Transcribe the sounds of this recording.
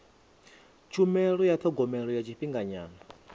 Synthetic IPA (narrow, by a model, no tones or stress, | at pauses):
t͡ʃʰumɛɺɔjat̪ʰɔɡɔmɛɺɔjat͡ʃʰiɸiŋɡaɲaːna